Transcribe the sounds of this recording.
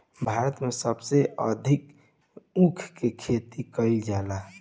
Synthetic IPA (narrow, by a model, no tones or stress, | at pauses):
bʱaɾət̪mesəbseəd̪ʱik | ũkʰkekʰet̪ikəild͡ʒala